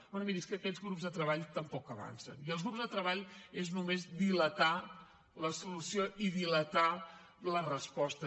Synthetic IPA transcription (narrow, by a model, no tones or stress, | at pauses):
bɔnəmiðiskəkɛzɣɾupzðət̪ɾəβaʎt̪əmpɔkəβa̰nsə̰niəlˠzɣɾupzðət̪ɾəβaʎeznumezd̪ilət̪a | ləsulusioʔiðilət̪a | lərəspɔst̪ə